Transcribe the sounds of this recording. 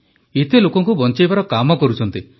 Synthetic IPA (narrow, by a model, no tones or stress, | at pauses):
et̪elokɔŋkubɔnt͡ʃajbaɾɔkamɔkɔɾut͡ʃʰɔnt̪i